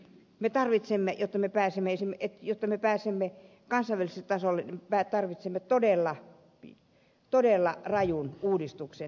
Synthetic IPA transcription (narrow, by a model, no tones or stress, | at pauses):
met̪ɑrʋit̪semːejot̪ːɑmepæːsemːeesimːet̪jot̪ːɑmepæːsemːe | kɑnsɑiʋæliselt̪ɑsolːenpæːt̪ɑrʋit̪semːet̪odelːɑ | t̪odelːɑrɑjunuːdist̪ukse